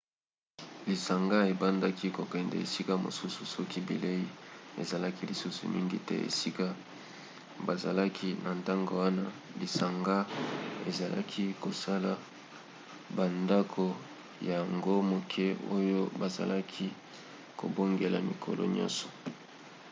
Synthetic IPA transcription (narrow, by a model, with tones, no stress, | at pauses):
li˨sa˨ŋɡa˦e˨ba˦nda˦ki˦ko˨kɛ˨ndɛ̰˨ḛ˨si˦ka˦mo̰˨su˦su˨sɔ˦ki˦bḭ˨le˦i˦ḛ˨za˨la˦ki˦li˨su˦sṵ˨mi˦ŋɡi˦tɛ̰˦ḛ˨si˦ka˦ | ba˨za̰˨la˦kʰi˦na˨nda˦ŋɡo˨wa˦na˦li˨sa˨ŋɡa˦ḛ˨za˨la̰˦kʰi˦ko˨sa˦la˨ | ba˨nda˦kʰo˨ | ja˨ja˨ŋɡo˦mo˨kʰɛ˦o˦jo˦ba˨za̰˨la˦kʰi˦ | ko̰˨bo˦ŋɡe˨la˨mi˨kʰo̰˨lʔɔ̰˦ɲɔ̰̃˦nsɔ̥˨